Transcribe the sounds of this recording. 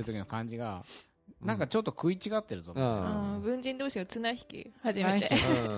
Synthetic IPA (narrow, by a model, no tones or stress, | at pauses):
ɾɯo̞kʲino̞kãɲd͡ʑiɡa | nãŋkat͡ɕo̞t̪ːo̞kɯ̟it͡ɕiɡat̪ːe̞ɾɯ̟zomɯ̃bɯ̟̃ɲd͡ʑĩnd̪oːɕiɡat͡sɨnaçi̥kʲḭhaʑimeie